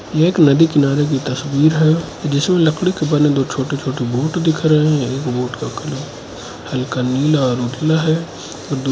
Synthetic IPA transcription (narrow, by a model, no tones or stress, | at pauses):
jeeːknɐd̪ikɪnaːɾek̬it̪ɐswiːɾɦɛ | d͡ʒɪsmẽlɐkɽikebəɾnẽd̪oːt͡ʃʰoːʈet͡ʃʰoːʈiboːʈd̪ɪkʰɾɐɦeɦɛ̃eːkboːʈkakɐl | hɐlkaniːlaɔɾuːd̪laɦɛ | ɔːɾd̪